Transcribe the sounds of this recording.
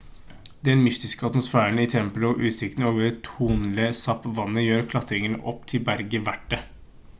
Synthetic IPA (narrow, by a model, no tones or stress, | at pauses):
d̪ɛnmʏst̪ɪskəɑt̪mʊsfæːɳɪt̪ʰɛmpələɔʔʉːt̪sɪk̚t̪noːʋəɾt̪ʰuːnləsɑpʋɑnːəjøːɾkʰlɑt̪ʰɾɪŋənə̰ʔɔpt̪ʰɪlbæɾɡəʋæʈːə